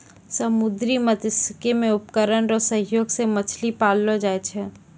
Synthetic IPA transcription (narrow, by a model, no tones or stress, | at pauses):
sɐmʊd̪ɾimət̪ɪskemẽʊpkəɾəɳɾɔsə̃ɦjoːɡsemət͡ʃʰlipaːlːod͡ʒaːet͡ʃʰɛ